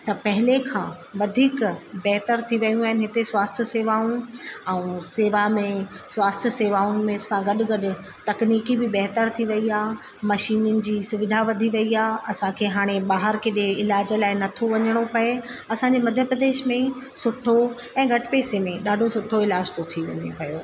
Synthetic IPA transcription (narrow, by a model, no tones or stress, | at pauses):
t̪ɐpɐɦɪlekʰãː | ʋɐd̪ʱiːkbɛɦt̪əɾt̪ʰiʋɐjũaːɦɪnɪɦɪt̪eswaːst̪ʰəseːʋaːũɛ̃ũseːʋamẽswaːst̪ʰəseːʋaːʊnɪ̆mẽsãɡɐɗʊɡɐɗʊ̆ | t̪ɐkniːkibɪbɛɦt̪əɾt̪ʰiʋɐiaː | mɐʃiːnʊnɪ̆d͡ʑiːsʊʋɪd̪ʱaʋɐd̪ʱiʋɐiaːɐsãkʰeːɦaːɽ̃eɓaːɦəɾkeɗeɪlaːd͡ʑə̆laːɪnɐt̪ʰoʋɐɲəɽ̃opɐe | ɐsãɲd͡ʑemɐd̪ʱjəpɾəd̪eːʃmẽ | sʊʈʰo | ɛ̃ːɡʱɐʈʰɪpeːsemẽɗaːɖʱosʊʈʰːoɪlaːd͡ʑt̪ʰot̪ʰiʋɐ̰ɲḛpɐjoː